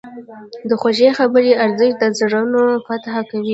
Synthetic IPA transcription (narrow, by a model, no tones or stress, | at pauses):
d̪əxoʒexabəɾiaɾzɪʃd̪əzaɽanofat̪hakawi